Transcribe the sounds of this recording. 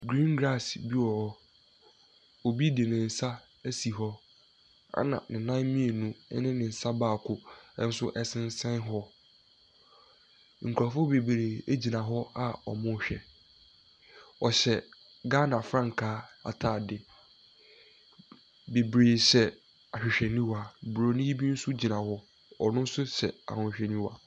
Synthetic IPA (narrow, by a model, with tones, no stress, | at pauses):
ɡɾĩ˦ŋɡɾa˦˨sbi˦wɔ˨hɔ˦ | o˨bi˦di˨nɪ̃˨n̩˨sa˦ | æ˦si˨ɦɔ˦ | a̰˦nã̰˨nɪ̃˨nã˦nmĩ˦e˨nṵ̃˦nɪ̃˦nɪ̃˨n̩˨sa˦baː˦˨kʰʊ˦ɛ˦n̩˦sʊ˦ʔɛ˦sɪ̃˦n˦sɛ̃˦nɦɔ˦ | ŋ̩˨kʰa˨fʊ˦be˨bɾe˨æ˦d͡ʑi˨nã˨ɦɔ˦a˦ɔ̰˨mʊ̃˦˨ɕᶣɛ˨ | ɔ˨ɕɛ˨ | ɡaː˦nã˨fɾã˦ŋ̩˨kʰaː˨˦a̰˨tʰaː˦˨dɪ˨ | be˨bɾeː˨sɛ˨ | a˨ɕᶣɪ˨ɕᶣɛ˨nĩ˦wa˨bɾo˨˦nĩ˦ji˦bi˦n̩˦sʊ˦d͡ʑi˨nã˨hɔ˦ | ɔ˨nʊ̃˦n̩˦sʊ˦ɕɛ̰˨a̰˨hʊ̃˨ɕᶣɛ˨nĩ˦wa˨